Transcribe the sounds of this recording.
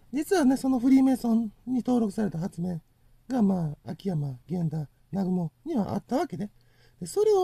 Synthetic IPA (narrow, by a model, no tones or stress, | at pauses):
d͡ʑit͡sɨβane̞so̞no̞ɸɯ̟ɾʲiːme̞sõ̞nɲːit̪o̞ːɾo̞kɯ̟saɾe̞t̪aɦat͡sɨme̞ː | ɡamaːakʲijamaɡẽ̞nd̪a | naɡɯ̟mo̞ɲ̟iβa̰ʔa̰t̪ːaβ̞ake̞d̪e | d̪̥e̞so̞ɾe̞o